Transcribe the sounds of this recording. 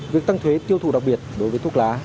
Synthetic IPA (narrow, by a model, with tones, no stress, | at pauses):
vi˨˩ək̚t̪a˧ŋt̪ʰwe˨˦t̪i˧əwt̪ʰṵ˧˩ɗa˨˩k̚ɓi˨˩ət̚ɗo˨˦jvəː˨˦jt̪u˦˥k̚laː˨˦